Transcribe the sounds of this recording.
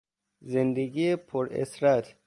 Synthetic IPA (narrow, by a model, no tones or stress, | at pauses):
zend̪eɡiepʰoɾḛsɾæt̪ʰ